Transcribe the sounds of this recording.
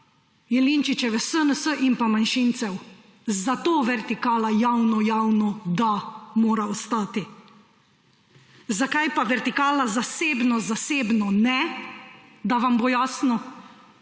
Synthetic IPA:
jɛliːnt͡ʃit͡ʃɛʋɛsənəsəʔimpamanʃiːnt̪sɛw | zat̪oːʋɛɾt̪ikaːlajawnɔjawnɔd̪amoːɾaɔst̪aːt̪i | zakajpaʋɛɾt̪ikaːlazaseːbnɔzaseːbnɔnɛ | d̪aʋamboːjaːsnɔ

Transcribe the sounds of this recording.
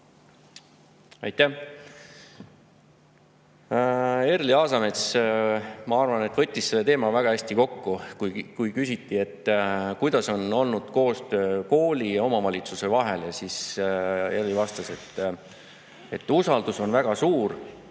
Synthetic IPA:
ɑjt̪ːæh | erliɑːsɑme̞t̪s | mɑɑrvɑne̞t̪vɤ̞t̪ʲːisːe̞lːet̪eːmɑvæɡ̥ɑæsʲt̪iko̞kːukukujkysit̪ːie̞t̪ːˑkujd̪̥ɑso̞no̞lnud̪̥ko̞ːst̪ø̞ːko̞ːlʲiɑo̞mɑvɑlʲit̪suse̞vɑɦe̞ljɑsis | erlivɑst̪ɑse̞t̪ː | e̞t̪ːusɑld̪̥uso̞nvæɡ̥ɑsuːr

